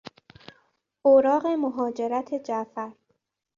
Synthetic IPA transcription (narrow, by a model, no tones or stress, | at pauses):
ʔoɾɒːɢe̞moɦɒːd͡ʒe̞ɾæt̪ʰe̞d͡ʒæfæɾ